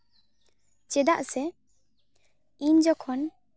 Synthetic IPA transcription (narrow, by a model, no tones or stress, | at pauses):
t͡ʃɛd̪aʔsɛ | iɲd͡ʒɔkʰɔn